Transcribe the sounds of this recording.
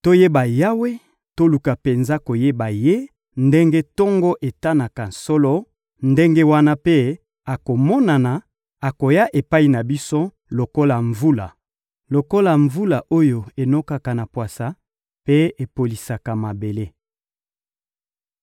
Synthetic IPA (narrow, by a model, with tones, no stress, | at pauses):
to˦je˦ba˨ja˦we˦ | to˦lu˨ka˨pe˨nza˦ko˨je˦ba˨je˦ | nde˦ŋɡe˦tɔ˦ŋɡɔ˦ʔe˨ta˦na˨ka˨n̩˨sɔ˦lɔ˦ | nde˦ŋɡe˦wa˦na˦pe˦ | a˨ko˨mɔ˦na˨na˨ | a˨ko˨ja˦ʔe˨pa˦i˨na˨bi˦so˦ | lo˨ko˦la˨ɱvu˦la˨ | lo˨ko˦la˨ɱvu˦la˨ʔo˦jo˨e˨no˦ka˨ka˨na˨pwa˨sa˦ | pe˦e˨po˨li˨sa˨ka˨ma˨be˨le˦